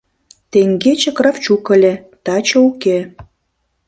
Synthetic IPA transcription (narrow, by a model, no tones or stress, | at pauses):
t̪eŋɡet͡ɕekrɑft͡ɕukə̆lʲĕ | t̪ɑt͡ɕəuke